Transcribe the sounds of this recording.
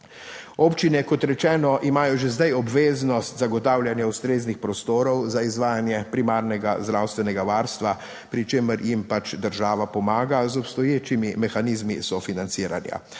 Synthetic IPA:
oːpt͡ʃinɛkɔt̪ɾɛt͡ʃɛːnɔʔimaːjɔʒezd̪ajɔbʋeːznɔst̪zaɡɔt̪aːwljanjaust̪ɾeːznixpɾɔst̪oːɾɔwzaizʋaːjanjɛpɾimaːɾnɛɡa̰zd̪ɾawst̪ʋɛnɛɡaʋaːɾst̪ʋa | pɾit͡ʃeːməɾjimpat͡ʃd̪əɾʒaːʋapɔmaːɡazɔpst̪ɔjeːt͡ʃimimɛxaniːzmisɔfinant̪siːɾa̰nja̰

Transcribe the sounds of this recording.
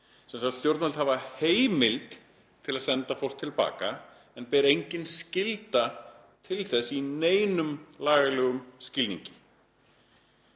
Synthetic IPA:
sɛnsaxt̪st̪jowɾt̪nɛlt̪havaheːjmɪlt̪ | t̪ʰɪlaðsɛnt̪afowr̥t̪ʰːɪlpa̰ːka | ɛnpɛːɾejɲcɪnscɪlt̪a | t̪ʰɪlθɛsːineːjnʏmlaːɣalɛːɣʏmscɪlḭɲcɪ

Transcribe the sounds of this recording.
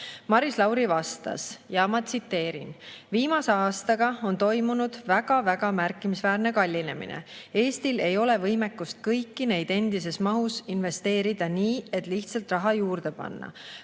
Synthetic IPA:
mɑɾislɑwɾivɑst̪ɑ̰sjɑmɑt̪sit̪ːe̞ːɾḭnviːmɑse̞ɑːst̪ɑɡ̥ɑo̞nt̪o̞jmunud̪̥væɡ̥ɑvæɡ̥ɑmærkːˑimisvæːrne̞kɑlʲːine̞mḭnḛe̞ːst̪ile̞jo̞le̞vɤjme̞kːust̪̚kɤjkːine̞jd̪̥e̞nd̪̥ise̞smɑɦusinve̞st̪e̞ːɾid̪̥ɑniːe̞t̪ːˑliht̪sɑlt̪rɑɦɑjuːrd̪̥e̞pɑ̰nːɑ̰

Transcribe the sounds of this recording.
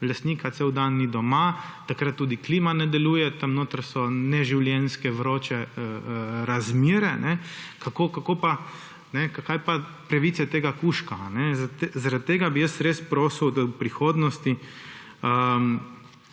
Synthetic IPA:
last̪niːkʰat̪sewd̪anːid̪ɔmat̪akɾat̪̚ːuːd̪ikliːmanɛd̪ɛluːjɛt̪ɐmnoːt̪ɾsɔnɛʒiwljɛnskɛʋɾoːt͡ʃɛ | ɾazmiːɾɛnɛkakoːkakoːpa | nɛkakajpapɾaʋiːt̪sɛt̪eːɡakuʃkanɛzazaɾat̪̚t̪ːeːɡabijəsɾeːspɾoːsəwd̪ɔpɾixoːd̪nɔst̪i | əm

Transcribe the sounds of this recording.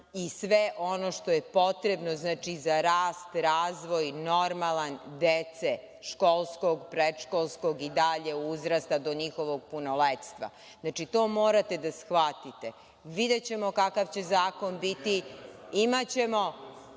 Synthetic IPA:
isʋeʔonoʃt̪o̞jepo̞t̪ɾe̞bnoznaːt͡ʃizaɾaːst̪ɾaːzʋo̞jnoɾmalˠand̪et̪se | ʃkolˠskoɡpɾed̪ʃkolˠsko̞ɡid̪aʎe̞uzɾast̪ad̪o̞ɲixo̞ʋoɡ̚punolet̪st̪ʋa̰ | znat͡ʃit̪oːmoːɾat̪e̞d̪asxʋat̪it̪e | ʋid̪et͡ɕe̞mokakaʋt͡ɕe̞zaːko̞nbit̪iimat͡ɕe̞mo̞

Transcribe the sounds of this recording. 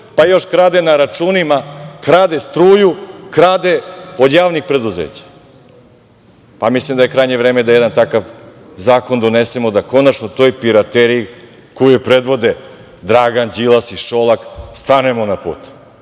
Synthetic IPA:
pajo̞ʃkɾaːd̪e̞naɾat͡ʃunimakɾaːd̪est̪ɾuːjukɾaːd̪e̞od̪jaːʋnixpɾe̞d̪uzḛːt͡ɕḁ | pamislimd̪ajekɾajɲevɾeːme̞d̪ajed̪ant̪akaʋ | zaːko̞nd̪o̞ne̞semo̞d̪ako̞nat͡ʃnot̪o̞jpiɾat̪eɾii | kojojpɾed̪ʋo̞d̪e | d̪ɾaːɡanzilˠasiʃo̞lˠakst̪anuemo̞napṵːt̪

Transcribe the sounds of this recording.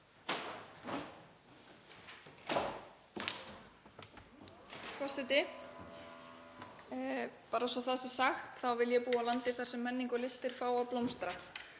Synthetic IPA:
fʰɔsɛt̪ɪ | paːɾasɔθasɛsaxt̪θawvɪljɛpuːalant̪ɪθaɾ̥sɛmːɛnːiŋkʏlɪst̪ɪɾ̥faːwawplowmst̪ɾa

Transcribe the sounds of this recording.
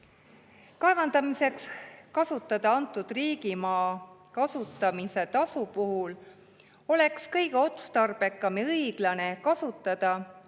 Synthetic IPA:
kɑevɑnd̪̥ɑmise̞kskɑsut̪ːˑɑd̪̥ɑɑnt̪ːˑud̪̥riːɡ̥imɑːkɑsut̪ːˑɑmise̞t̪ɑsupuɦul | o̞le̞kskɤjɡ̥eo̞t̪u̥st̪ɑrb̥e̞kːˑɑmiɤijɡ̥lɑne̞kɑsut̪ːˑɑd̪̥ɑ

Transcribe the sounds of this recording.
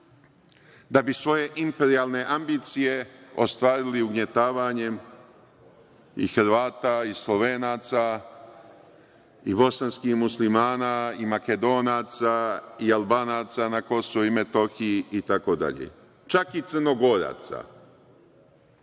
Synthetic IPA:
d̪abisʋo̞je̞ʔimpe̞ɾialˠne̞ʔambit̪sije̞ost̪ʋaːɾiliuɡɲe̞t̪aːʋaɲe̞m | ḭxɾʋaːt̪aislˠoʋeːnaːt̪sa | ibo̞sanskihmuslimaːnaimake̞d̪o̞ːnaːt̪saialbaːnaːt̪sanako̞soʋuime̞t̪o̞xiiit̪ako̞d̪a̰ʎḛ | t͡ʃakit̪əɾno̞ɡo̞ɾa̰ːt̪sa̰

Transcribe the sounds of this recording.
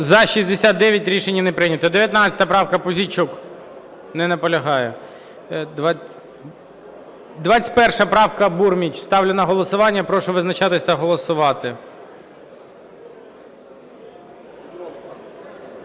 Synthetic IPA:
zɐʃizd̪esʲat̪̚d̪ɛʋʲjɐtʲɾʲiʃenʲːinɛpɾɪnʲɐt̪ɔd̪eʋʲjɐt̪nɑt͡sʲɐ̥t̪ɐpɾɑwkɐpɔzʲit͡ʃuk | nɛnɐpɔlʲɐɦɑjɛ | d̪ʋ | d̪ʋɑt͡sʲɪ̥tʲpɛrʃɐpɾɑwkɐburmʲit͡ʃʲst̪ɑwlʲenɐɦɔlˠɔsʊʋɑnʲːɐpɾɔʃʊʋɪznɐt͡ʃɑt̪ɪsʲt̪ɐɦɔlˠɔsʊʋɑt̪ɪ

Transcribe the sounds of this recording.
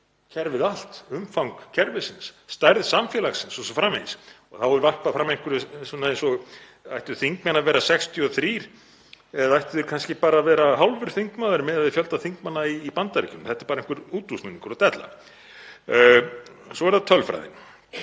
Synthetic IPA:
cʰɛɾvɪðal̥t̪ʏmfawŋkcʰɛɾvɪsɪnsːt̪ajɾðsamfjɛlaxsɪnsɔsɔfɾamḛːsɔɣθavɔɾvar̥paðfɾamːejŋ̥kʏɾʏsɔnːaejnsɔɣ | ajht̪ʏʏ̥θiŋkmɛnːavɛːɾasɛkst̪ʰjʏɔθɾiːɾ̥ | ɛðaajht̪ʏðʏɾkʰanscɪpaːɾaːvɛːɾaɦawlvʏɾ̥θiŋkmaːðɪɾmɛðaðɪfjœlt̪aθiŋkmanːaiːpant̪aɾicʏnθɛht̪ɛɾpaːɾeŋkvʏɾuːt̪usnuniŋkʏɾɔt̪ɛt̪la̰ | sɔɛɾθat̪ʰœlfɾa̰jðɪ̰n

